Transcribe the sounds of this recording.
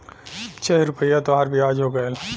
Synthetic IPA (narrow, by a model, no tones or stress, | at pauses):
t͡ʃʰɛɾʊpəijat̪oɦaɾbʱiaːd͡ʒɦoːɡəel